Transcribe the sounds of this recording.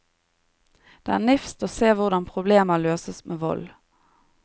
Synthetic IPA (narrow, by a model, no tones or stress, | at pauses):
d̪̥ɛːæːnɪfst̪oːseːʋʊʁd̪ɑnpʰʁʊbleːməløːsəsmeːʋɔ̰l